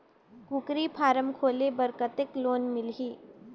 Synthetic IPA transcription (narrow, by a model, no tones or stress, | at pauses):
kʊkɾipʰaːɾəmkʰoːlebəɾkət̪ɪkloːnmɪlɦiː